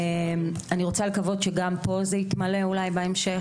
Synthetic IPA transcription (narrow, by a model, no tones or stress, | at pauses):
em | aniʁo̞t͡salekavo̞dʃeɡampo̞zeit̪male̞ulajbaemʃe